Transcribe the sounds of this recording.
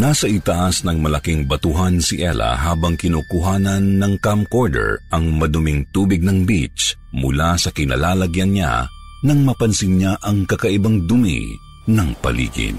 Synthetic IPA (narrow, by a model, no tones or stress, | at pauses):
naːsɐʔɪt̪ɐʔasnɐŋmɐlɐkiŋbɐt̪ʊɦansɪʔɛ̰lɐ̰ɦaːbɐŋkɪnoːkʊɦaːnɐnːɐŋkamkoɹd̪ɛ̰ɹʔɐŋmɐd̪ʊmɪŋt̪uːbɪɡ̚nɐŋbit͡ʃ | mʊlasɐkɪnɐ̰laːlɐɡjɐnɲa̰ | nɐŋmɐpɐnsɪnɲaʔɐŋkɐkɐʔɪbaŋd̪ʊmḭ | nɐŋpɐ̰lḭːɡɪ̰n